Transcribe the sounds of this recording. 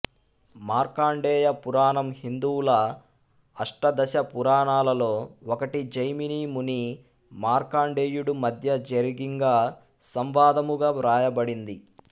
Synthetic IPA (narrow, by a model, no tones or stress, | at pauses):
maːɾkaːɳɖeːjɐpuɾaːɳɐmhind̪uwulɐː | ʂʈɐd̪ɐʃɐpuɾaːɳaːlɐlo̞ːɔkɐʈid͡ʒɐjminiːmuni | maːɾkaːɳɖeːjuɽumɐd̪ʱjɐd͡ʒɐɾiɡiŋɡaː | sɐmʋaːd̪ɐmuɡaːʋɾaːjɐbɐɽind̪i